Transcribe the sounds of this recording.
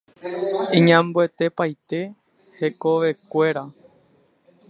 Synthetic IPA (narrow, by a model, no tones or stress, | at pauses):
ĩɲãmbwe̞t̪e̞pajt̪e̞ | he̞koʋe̞kʷe̞ɾa